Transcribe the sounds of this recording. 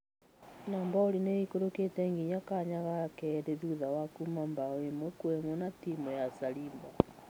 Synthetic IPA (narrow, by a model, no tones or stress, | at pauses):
naːmbaoɾineikoɾoketɛŋɡiɲakaɲaɣakɛɾeðuðawakumambaɔemwɛkwɛmwɔnatimɔjasaɾiːmba